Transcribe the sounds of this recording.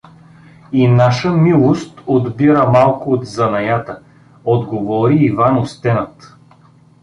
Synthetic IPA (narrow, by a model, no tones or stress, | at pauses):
inaʃəmilˠost̪od̪biɾəmalˠkʊot̪zɐnɐjat̪ə | od̪ɡovɔɾiːvanost̪ɛnət̪